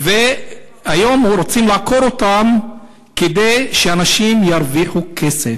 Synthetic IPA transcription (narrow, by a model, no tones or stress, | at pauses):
ve | ajo̞muɾot͡simlaːko̞ɾotam | ked̪e̞jʃeanaʃimjaɾviχukesef